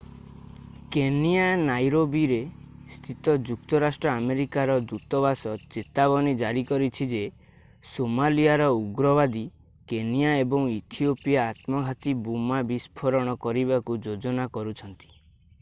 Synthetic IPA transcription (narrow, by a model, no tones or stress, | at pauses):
kenianajɾobiɾest̪ʰit̪ɔd͡ʒuk̚t̪ɔɾasʈɾɔameɾikaɾɔd̪ɾut̪ɔβasɔt͡ʃet̪abɔnid͡ʒaɾikɔɾit͡ʃʰid͡ʒe | somaliaɾɔuɡɾɔbad̪i | kenijaebɔŋit̪ʰiopijaːt̪mɔɡʱat̪ibumabispʰɔɾɔɽ̃ɔkɔɾibakud͡ʒod͡ʒɔnakɔɾut͡ʃʰɔnt̪i̥